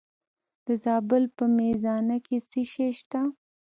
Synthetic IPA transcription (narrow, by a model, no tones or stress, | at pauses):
d̪̥əzɑːbɪlpəmezɑnakesiʃeʃt̪a